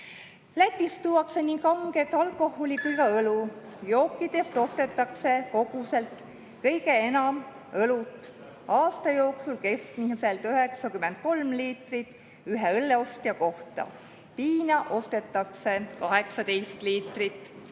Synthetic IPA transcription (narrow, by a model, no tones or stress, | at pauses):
læt̪ʲːˑist̪uːwɑkse̞nikɑŋɡe̞t̪ːˑɑlkːˑo̞ho̞likujkɑɤlu | jo̞ːkːˑid̪e̞st̪o̞st̪e̞t̪ːˑɑkse̞ko̞ɡ̥use̞lt̪ | kɤjɡe̞enɑm | ɤlut̪ːˑ | ɑːst̪ɑjo̞ːksulke̞sk̪mise̞lt̪yɦe̞ksɑkymːent̪̚ko̞lmliːt̪rit̪ːˑ | yɦeɤlːeo̞st̪iɑko̞ht̪ɑ̰ | piːnɑʔo̞st̪e̞t̪ˑːɑkse̞kɑɦe̞ksɑd̪ejst̪liːt̪ˑrit̪ːˑ